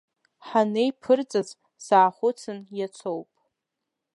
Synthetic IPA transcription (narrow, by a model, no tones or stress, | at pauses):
ħanejpʰɨrt͡sʼaz | saːχʷʊt͡sʰɨnjat͡sʷʰowpʼ